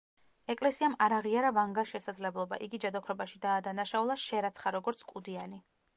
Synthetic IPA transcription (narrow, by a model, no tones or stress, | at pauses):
ɛkʼlɛsiamaɾaʁiaɾavaŋɡaʃɛsad̪zlɛblˠɔba̰ʔiɡid͡ʒad̪ɔkʰɾɔbaʃid̪aːd̪anaʃaulˠaʃɛɾat̪sʰχaɾɔɡɔɾt̪sʰkʼud̪iani